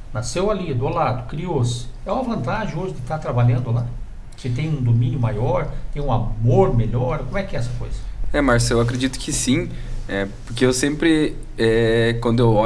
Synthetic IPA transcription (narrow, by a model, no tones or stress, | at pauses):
nasewalid̪ʊalad̪ʊkɾiosɪ̥ɛw̃ɐvɐ̃nt̪aʒẽoʒɪd̪ɪt̪aɾt̪ɾabaʎɐ̃nd̪ʊla | kɪt̪ẽj̃ũd̪omĩnjʊmajɔɾt̪ẽj̃ũamoɾmeʎɔɾkõmʊɛkɪɛɛsɐko̰jzɐɛmaɾsewakɾed͡ʒit̪ʊ̥kɪsĩɛpoɾkeewsẽmpɾɪ | ɛkwɐ̃nd̪ʊewɔ